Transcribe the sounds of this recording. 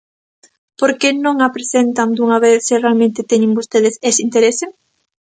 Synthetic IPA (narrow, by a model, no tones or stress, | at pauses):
poɾkenõŋapɾesent̪aŋd̪uŋaβeθsɪrealmẽnt̪ɪt̪eɲɪ̃ŋbost̪eðɪsesint̪eɾesɪ